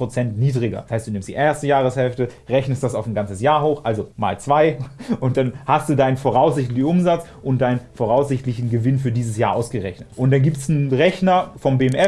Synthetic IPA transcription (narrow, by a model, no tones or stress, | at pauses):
ʁ̥ot͡sɛntniːdʁɪɡɐ̰dsaɪstd̥uːnɪmstd̥iːʔeːɐstəjaːʁəshɛlftə | ʁɛçnəstd̥asaʊfn̩ɡant͡səsjaːɐɦoːxʔalzoma̰ːlt͡sv̥aɪʔʊntd̥anhastd̥uːdaɪnənfoʁ̞aʊszɪçtlɪçn̩ʊmzat͡s | ʔʊnt̚d̥aɪnənfoʁaʊsz̥ɪçtlɪçn̩ɡəvɪnfyːɐdiːzəsjaːɐʔaʊsɡ̥əʁɛçnətʔʊntd̥anɡiːptsn̩ʁɛçnɐfɔmbeɛmʔɛ